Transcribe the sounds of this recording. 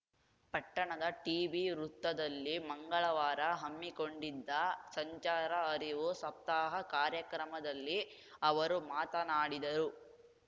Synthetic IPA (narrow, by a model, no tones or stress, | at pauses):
pɐʈːɐɳɐd̪ɐʈiːbiɾut̪ːɐd̪ɐlːimɐŋɡɐɭɐʋaːɾɐɦɐmːiko̞ɳɖid̪ːɐsɐɲt͡ʃaːɾɐːɾiʋusɐp̚t̪aːɦɐkaːɾjɐkɾɐmɐd̪ɐlːi | ɐʋɐɾumaːt̪ɐnaːɽid̪ɐɾu